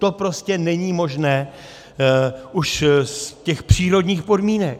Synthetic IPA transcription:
t̪o̞pɾo̞scɛnɛɲiːmo̞ʒnɛː | ʔuʃscɛxpr̝̥iːɾo̞dɲiːxpo̞dmiːnɛk̚

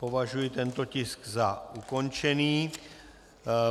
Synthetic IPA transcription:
po̞vaʒujɪt̪ɛnt̪o̞cɪskzaʔuko̞nt͡ʃɛniː

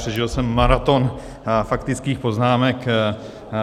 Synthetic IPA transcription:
r̥ɛʒɪlsɛmːaɾat̪o̞n | fakt̪ɪt͡skiːxpo̞znaːmɛk

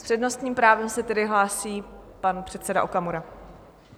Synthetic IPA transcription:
spr̥ɛdno̞st̪ɲiːmpɾaːvɛmsɛt̪ɛdɪɦlaːsiːpanpr̥ɛt̪sɛda̰ʔokamuɾa

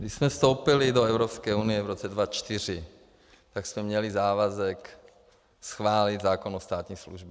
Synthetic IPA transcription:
ɡdiʃsmɛfst̪owpɪlɪdoɛvɾopskɛːunɪjɛvɾot͡sɛdvat͡ʃt̪ɪr̝ɪ | t̪aksmɛmɲɛlɪzaːvazɛk | sxvaːlid̪zaːkonost̪aːt̪ɲiːslṵʒbɛ

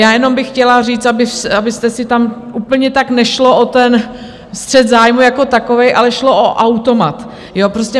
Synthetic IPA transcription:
jaːjɛno̞mbɪxːcɛlariːt͡st̪abɪsabɪst̪ɛsɪt̪amʔuːpl̩ɲɛt̪aknɛʃloʔot̪ɛn | st̪r̝̥ɛt̪zaːjmujako̞t̪ako̞vɛjʔalɛʃlo̞ʔoʔawt̪o̞mat̪ | joːpɾoscʲɛ

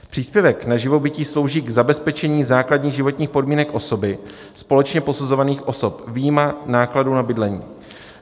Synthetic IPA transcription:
pr̥iːspjɛvɛknaʒɪvo̞bɪciːslo̞wʒiːɡzabɛspɛt͡ʃɛɲiːzaːkladɲiːɣʒɪvo̞t̪ɲiːxpodmiːnɛkʔo̞so̞bɪ | spo̞lɛt͡ʃɲɛpo̞suzo̞vaniːxʔo̞so̞pviːjmanaːkladuːnabɪdlɛɲḭː

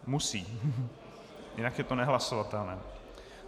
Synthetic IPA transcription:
musiː | jɪnakjɛt̪onɛɦlasovat̪ɛlnɛː

